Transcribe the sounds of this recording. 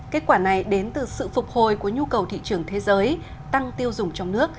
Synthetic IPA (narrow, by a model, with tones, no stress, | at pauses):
ke˦˥t̚kwaː˧˩na˨˩jɗe˨˦nt̪ɨ˨˩sɨ̰˧˨fʊ˨˩k͡p̚ho˨˩jku˧˩əɲu˧kə˨˩wt̪ʰḭ˧˨t͡ɕɨ˧˩əŋt̪ʰe˨˦zəː˨˦j | t̪a˧ŋt̪i˧əwzʊ˨˩ŋ͡mt͡ɕɔ˧wŋ͡mnɨ˦˥ək̚